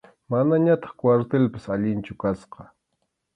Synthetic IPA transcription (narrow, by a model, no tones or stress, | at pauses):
manaɲat̪ɑ̥χkwaɾt̪elpasaʎɪnt͡ʃʊkasqɑ